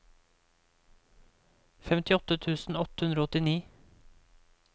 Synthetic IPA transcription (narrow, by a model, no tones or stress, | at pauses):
fɛmt̪ɪɔt̪ət̪ʰʉːsn̩ɔt̪ə̥hʉnd̪ɾoːɔt̪ɪniː